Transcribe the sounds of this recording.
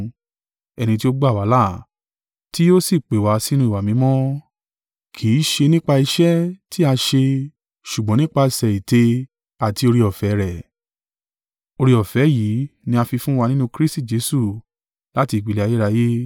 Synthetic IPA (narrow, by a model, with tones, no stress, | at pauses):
ɛ˧nĩ˧t̬i˦o˦ɡ͡ba˦˨wa˨˦la˦˨ | ti˦o˦si˦˨k͡pe˨wa˨˦si˦nũ˧i˦˨wa˨mĩ˨˧˦mɔ̃˦ | kʰi˨˦ʃe˧nĩ˦k͡pa˧i˧ʃɛ˦ti˦a˧ʃe˧ | ʃu˨ɡ͡bɔ̃˨˦nĩ˦k͡pa˧˨sɛ˨i˨te˧ | a˨ti˧o˧ɾi˧ɔ˨fɛ˨˦ɾɛ˨ | o˧ɾi˧ɔ˨fɛ˨˦ji˨˦nĩ˧a˧fi˧fũ˦wa˧nĩ˦nũ˧kɾi˦sti˦˨d͡ʒe˨˦su˦˨ | la˦ti˧˨k͡pi˨˧le˦a˧je˦ɾa˧je˦